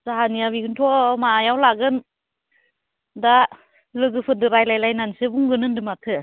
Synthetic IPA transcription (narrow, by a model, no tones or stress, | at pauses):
z̥aɦaniaβiɡɯntʰɔmajawlaɡɯn | da | lɯɡɯpʰɯdɯɾajlajlajnansebuŋɡɯnɯndɯmatʰɯ